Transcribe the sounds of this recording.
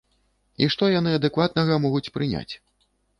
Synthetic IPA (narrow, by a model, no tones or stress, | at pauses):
iʂt̪ɔjanɨɐd̪ɛkvat̪̚nɐɣɐmɔɣut͡sʲpɾɨnʲa̰t͡sʲ